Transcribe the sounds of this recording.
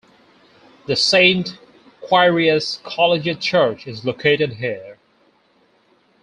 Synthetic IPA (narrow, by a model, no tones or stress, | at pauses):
ðɨsẽɪ̃nt | kʰw̥aɪɹiɨskʰɑlˠɨd͡ʒɨt͡ʃʰɜ˞t͡ʃɨzlokʰeɪɾɨd̚ɦiɹ